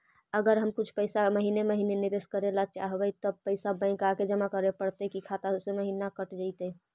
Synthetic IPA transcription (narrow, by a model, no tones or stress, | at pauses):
əɡəɾɦəmkut͡ʃʰpəɪsaməɦineməɦinenibeskəɾelat͡ʃaɦbɛt̪ɔpəɪsabə̃ɪ̃kaked͡ʒəmakəɾepəɾt̪ɛkikʰat̪asẽməɦinakəʈd͡ʒaɪt̪ɛ